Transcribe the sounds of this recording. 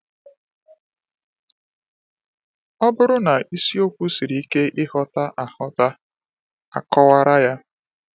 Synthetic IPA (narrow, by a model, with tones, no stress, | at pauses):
ɔ˦bʊ˦ɾʊ˦na˨i˦si˦o˦kʷu˦si˨ɾi˨i˦ke˦ʔɪ˦hɔ˦ta˦ʔa˨hɔ˦ta˦ | a̰˨kɔ˦wa˦ɾa˦ja˦